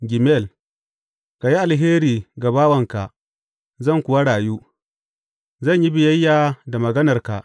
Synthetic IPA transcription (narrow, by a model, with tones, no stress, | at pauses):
ɡʲɪ˨mɛ˦˨l | ka˨ji˦ʔa˨lɦeː˦ɾiː˨ɡa˨baː˦wɐ˨ŋka˨ʔ | zɐ˦˨ŋkʷʊ˨wa˦ɽaː˨juː˦ | zɐ˦˨ɲji˦bɪ˨jɐ˦jːaː˨da˨mɐ˨ɡɐ˦nɐ˨rka̰˨ʔ